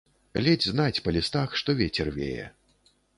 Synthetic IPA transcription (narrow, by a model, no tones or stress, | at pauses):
lʲɛd͡zʲznat͡sʲpɐlʲist̪axʂt̪ɔvʲɛt͡sʲɛrvʲḛjɛ̰